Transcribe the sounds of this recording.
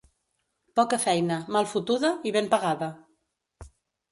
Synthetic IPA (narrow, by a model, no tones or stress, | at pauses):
pɔkəfɛjnəmalˠfut̪uðəiβempəɣaðə